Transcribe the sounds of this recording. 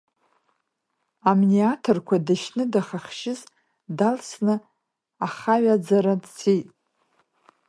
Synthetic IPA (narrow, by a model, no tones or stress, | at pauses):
amniatʰorkʷʰadaʃnɨdaχaχʃɪz | dalsnɨ | aχaɥad͡zaɾadt͡sʰijtʼ